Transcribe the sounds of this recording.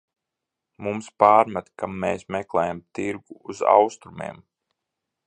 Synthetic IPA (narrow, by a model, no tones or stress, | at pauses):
mumspaːɾmat̪kamːeːsmɛklˠɛːjamt̪iɾɡuːza̰wst̪ɾumḛɛm